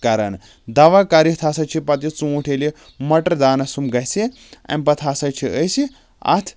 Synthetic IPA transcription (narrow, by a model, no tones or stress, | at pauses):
kaɾan | d̪aʋakaɾit̪ʰasat͡ʃʰipat̪̬it͡suuʈʰeli | mɐʈəɾd̪aːnɐsumɡajsi | ɐ̰̃mpɐt̪ʰasat͡ʃʰiəsi | a̰t̪ʰ